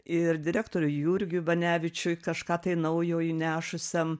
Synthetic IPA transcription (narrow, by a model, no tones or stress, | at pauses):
ɪɾd̪ʲɪɾʲæːkt̪oːɾʲʊjuɾʲɡʲʊʋɐnʲæːʋʲɪt͡ʃʲʊkɐʃkɑːt̪ɐɪnɐʊjoːjnʲæːʃʊsʲɛm